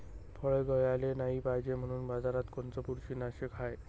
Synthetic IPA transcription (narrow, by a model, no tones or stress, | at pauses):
fʰəɭeɡʱəjalenaɦibajd͡ʑem̤əɽ̃uːnbad͡zaɾat̪kont͡səpuɾɕinaɕekʰaj